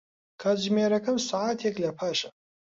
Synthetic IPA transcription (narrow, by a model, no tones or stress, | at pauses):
kʰazmeːɾɐkʰɐmsaaːt̪ʰeklɐpʰaːʃɐ̥